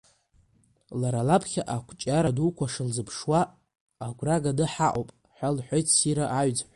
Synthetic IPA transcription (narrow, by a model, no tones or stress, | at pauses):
laɾalapʰχʲaʔakʷʰt͡ʃʼaɾadukʷʰaʂɨlzɨpʰʂwaː | ɡʷraɡadɨħaʔopʼ | ħʷalħʷojtʰsiɾaʔaɥd͡zħʷ